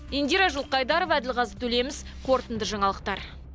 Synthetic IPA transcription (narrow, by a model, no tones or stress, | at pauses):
end̪iɾɑʒulˠqɑjd̪ɑɾovæd̪ɪlqɑzət̪ʰɵle̞mɪz̥ | qʰo̞ɾt̪ənd̪əʒɑɴɑlˠəq̚t̪ɑɾ